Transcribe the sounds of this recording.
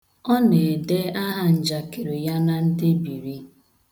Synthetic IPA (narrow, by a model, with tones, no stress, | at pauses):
ɔ˦ne˨de˦a˦ɦa˦n̩˨d͡ʒa˨ke˨ɾe˨ja˦na˦n̩˦dɪ˦bi˨ɾi˦